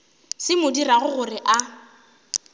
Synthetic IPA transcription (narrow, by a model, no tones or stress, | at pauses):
sɪmʊdiraɣʊɣʊrɪʔa